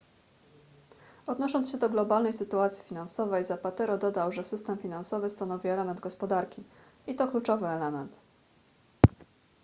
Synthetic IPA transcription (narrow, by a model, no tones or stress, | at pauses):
ɔd̪nɔʂɔnsɕɛd̪ɔɡlɔbalnɛjsɘt̪uat̪sʲifʲinansɔvɛjzapat̪ɛɾɔd̪ɔd̪awʐɛsɘst̪ɛmfʲinansɔvɘst̪anɔvʲiɛlɛmɛnd̪̚ɡɔspɔd̪aɾkʲi | it̪ɔklut͡ʂɔvɘɛlɛmɛnt̪